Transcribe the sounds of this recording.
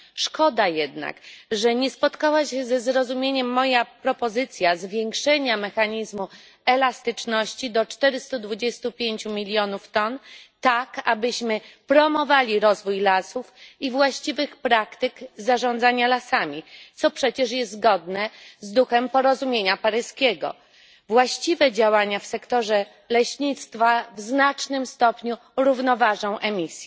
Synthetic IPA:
ʂkɔd̪ajɛd̪na̰kʐɛɲɛspɔt̪kawaɕɛzɛzɾɔzumʲjeɲɛmːɔjapɾɔpɔzɘt̪sʲjazvʲjeŋkʂɛɲamɛxaɲizmu | ɛlast̪ɘt͡ʂnɔɕt͡ɕid̪ɔt͡ʂt̪ɛɾɘst̪ud̪vud͡ʑɛst̪upʲjeɲt͡ɕumʲilʲjɔnuft̪ɔnt̪aka̰bɘɕmɘpɾɔmɔvalʲiɾɔzvujlasufivwaɕt͡ɕivɘxpɾakt̪ɘkzaʐɔ̃nd̪zaɲalasamʲit̪sɔpʂɛt͡ɕɛʂ̬jɛzzɡɔd̪nɛzd̪uxɛmpɔɾɔzumʲjeɲapaɾɘskʲeɡɔ̰ | vwaɕt͡ɕivɛd͡ʑawaɲafsɛkt̪ɔʐɛ | lɛɕɲit̪st̪favznat͡ʂnɘmst̪ɔpɲu | ɾuvnɔvaʐɔ̃w̃ʔɛmʲisʲjɛ

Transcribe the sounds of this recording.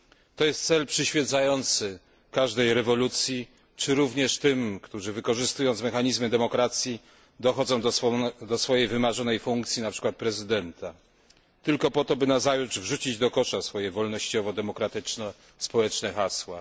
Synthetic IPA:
t̪ɔjɛst̪sɛlpʂɘɕfʲjɛt̪sajɔnt̪sɘ | kaʐd̪ɛjɾɛvɔlut̪sʲji | t͡ʂɘɾuvɲɛʂt̪ɘmkt̪uʐɘvɘkɔʐɘst̪ujɔ̃nt̪smɛxaɲizmɘd̪ɛmɔkɾat̪sʲji | d̪ɔxɔd̪zɔ̃w̪̃d̪ɔsfɔjejvɘmaʐɔnɛjfuŋkt̪sʲjinapʂɘ̥kwat̪̚pɾɛzɘd̪ɛnt̪a | t̪ɘlkɔpɔt̪ɔbɘnazajuʐvʐut͡ɕid͡ʑd̪ɔkɔʂasfɔjɛvɔlnɔɕt͡ɕɔvɔd̪ɛmɔkɾat̪ɘt͡ʂnɛ | spɔwɛt͡ʂnɛxaswa

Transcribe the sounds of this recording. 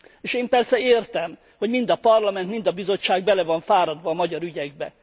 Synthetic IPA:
eːʃeːmpɛrsɛeːrt̪ɛm | ho̞ɟmind̪ɒpɒrlɒmɛnt̪mind̪ɒbizo̞t͡ʃːaːɡbɛlɛvɒɱfaːɾɒd̪ʋɒːmɒɟɒɾyɟɛɡ̚bɛ̰

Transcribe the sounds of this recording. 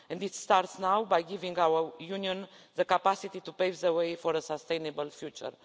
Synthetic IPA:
ɛ̃nd̪it̪st̪aɾt̪snawbajɡivĩŋɡawəjuniõn | ðəkapasit̪it̪upejvðəwejfoɾəsəst̪ejnebəlfjut͡ʃə̰ɾ

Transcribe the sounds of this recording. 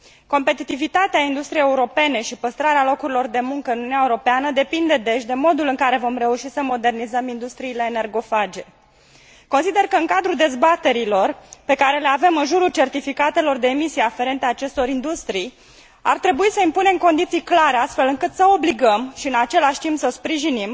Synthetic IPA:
ko̞mpe̞t̪it̪ivit̪at̪eaind̪ust̪ɾiejeuɾo̞pe̞ne̞ʃipəst̪ɾaɾealo̞kuɾilo̞rd̪e̞muŋkəɨnununaeuɾo̞peanəd̪e̞pind̪e̞d̪e̞ʃ̬d̪e̞mo̞d̪ulɨŋkaɾe̞vo̞mre̞uʃisəmo̞d̪e̞rnizəmind̪ust̪ɾiːle̞ːnerɡo̞fad͡ʒe̞ | ko̞nsid̪e̞rkəɨŋkad̪ɾud̪e̞zbat̪e̞ɾilo̞rpe̞kaɾe̞le̞ave̞mɨnʒuɾult͡ʃe̞rt̪ifikat̪e̞lo̞rd̪e̞ːmisijafe̞ɾe̞nt̪eaːt͡ʃe̞st̪o̞ɾind̪ust̪ɾij | a̰rt̪ɾe̞buisəimpune̞mko̞nd̪it̪sijklaɾeast̪fe̞lɨŋkɨt̪səo̞bliɡəmʃiɨnat͡ʃe̞laʃt̪impsəspɾiʒinim

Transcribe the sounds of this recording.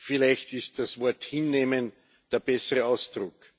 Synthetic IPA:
fɪlæɪçtɪst̚d̥asvɔɐthɪnːeːmən | d̥eːɐb̥ɛsəʁəaʊsd̥ʁʊk

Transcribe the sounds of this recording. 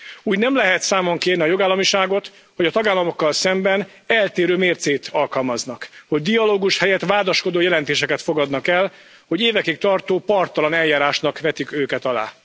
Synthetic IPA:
uːɟnɛmlɛɦɛt̪saːmoŋkeːrniɒjo̞ɡaːlːɒmiʃaːɡo̞t̪ | ho̞ɟɒt̪ɒɡaːlːɒmo̞kːɒlsɛmbɛn | ɛlt̪eːɾøːmeːrt̪seːt̪ʰɒlkɒlmɒznɒkho̞ɟ̚d̪ijɒloːɡuʃhɛjɛt̪ʋaːd̪ɒʃko̞d̪oːjɛlɛnt̪eːʃɛkɛt̪fo̞ɡɒd̪nɒkɛl | ho̞ɟeːvɛkikt̪ɒrt̪oːpɒrt̪ɒlɒnɛljaːɾaːʃnɒkʋɛt̪ikøːkɛt̪ɒla̰ː

